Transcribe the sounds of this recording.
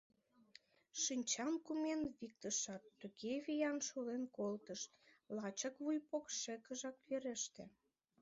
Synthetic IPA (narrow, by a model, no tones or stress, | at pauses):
ʃinʲt͡ɕɑnkumenβik̚t̪əʃɑt̪ːukeβijɑnʃulenkolt̪əʃlɑt͡ɕəkβujpokʃĕkəʒɑkβeɾeʃt̪ḛ̆